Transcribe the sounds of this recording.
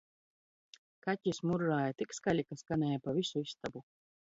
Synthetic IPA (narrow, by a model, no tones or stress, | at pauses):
kacʲismuɾːaːjat̪ikskaʎʲikaskanɛːjapavisuist̪abu